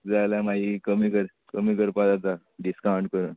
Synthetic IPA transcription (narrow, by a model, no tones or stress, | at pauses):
d͡zajlamaɦikəmikəɾ | kəmiːkəɾpad͡zat̪a | ɖiskawɳʈkəɾən